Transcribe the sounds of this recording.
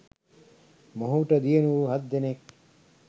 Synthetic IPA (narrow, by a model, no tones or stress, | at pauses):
moɦuʈɐd̪ienuuɦɐd̪ːenek̚